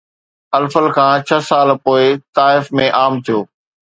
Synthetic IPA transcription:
ɐlfəlkʰãːt͡ɕʰɐsaːlpoːɪt̪aːɪfmẽʔaːmt̪ʰijoː

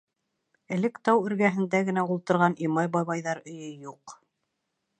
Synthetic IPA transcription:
ɘ̆lɘkt̪ɑwɵ̆ɾɡæɦɘ̆nd̪æɡɘ̆næulˠt̪ɤ̆ɾʁɑnimɑjbɑβɑjðɑɾɵ̆jɵjuq

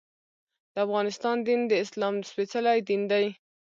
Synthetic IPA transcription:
d̪̥əafɣɑnɪst̪ɑnd̪ind̪əɪslɑmspet͡salajd̪ind̪aj

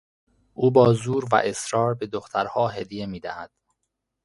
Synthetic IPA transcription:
ʔuːbɒːzuːɾvæ̰ʔe̞sɾɒːɾbe̞d̪oxt̪ʰæɾhɒːɦe̞d̪ije̞miːd̪æhæd̪̥

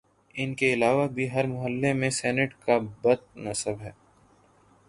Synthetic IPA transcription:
ɪnkeɪlaːʋabʱiɦɐɾmʊɦəlːemẽsɛːnɪʈkabɐt̪̚nɐsəbɦɛː

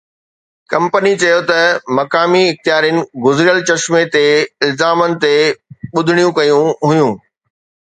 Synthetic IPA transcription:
kɐ̃mpənit͡ɕɐjot̪ɐmɐkaːmiɪxt̪ijaːɾijənɪ̆ɡʊzɪɾijəlt͡ɕɐʃmet̪eɪlzaːmənɪ̆t̪eɓʊd̪ʱɪɽ̃ijũkɐjũɦʊjũː

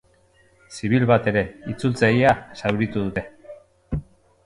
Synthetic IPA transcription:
siβ̞ilβat̪e̞ɾe̞it͡sult͡sajasawɾit̪uðut̪e̞

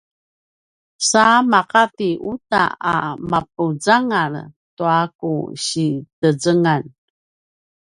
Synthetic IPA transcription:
samaqatiʔuta̰amap̚ud͡zaŋartuakṵɕitəzəŋan

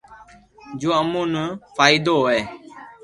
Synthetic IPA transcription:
d͡ʒoːəmũːnəfʰaːid̪oːeː

